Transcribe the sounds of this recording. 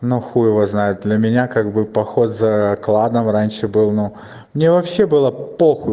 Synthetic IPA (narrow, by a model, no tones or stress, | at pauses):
nuxujɪvəznajʊt̪̚d̪lʲɐmʲɪnʲakaɡ̚bɨpɐxo̞t̪zɐklˠad̪əmranʲʂɨbɨlˠnu | mnʲevɐpɕːe̞bɨlˠəpoxʊ